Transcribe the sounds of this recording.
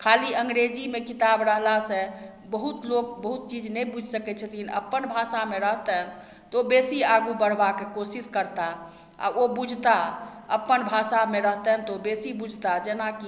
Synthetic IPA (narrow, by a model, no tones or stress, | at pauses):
kʰaliəŋɡɾed͡ʒimekit̪abɾəɦlasẽ | bəɦut̪lok̚bəɦut̪̚t͡ʃid͡ʒnɛbud͡ʒʱsəkɛt͡ʃʰət̪ʰinə̰pːənbʱasameɾəɦt̪əɦn | t̪ɔobesiaɡubəɽ̤bakekosiskəɾt̪a | a̰obud͡ʒʱt̪aəpːənbʱasameɾəɦt̪ɛɦnt̪obesibud͡ʒʱt̪ad͡ʒenaki